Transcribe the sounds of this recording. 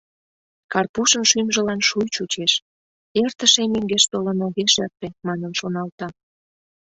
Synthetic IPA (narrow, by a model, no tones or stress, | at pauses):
kɑrpuʃənʃymʒəlɑnʃujt͡ɕut͡ɕeʃ | ert̪əʃemyŋɡeʃt̪olənoɣeʃert̪emɑnənʃonɑlt̪ɑ